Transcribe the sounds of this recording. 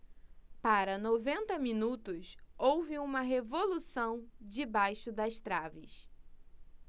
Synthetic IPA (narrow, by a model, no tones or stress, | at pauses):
paɾɐnovẽnt̪ɐmĩnut̪ʊsowvɪũmɐɦevolusɐ̃w̃d͡ʒɪbajʃʊd̪ɐst̪ɾavɪ̰s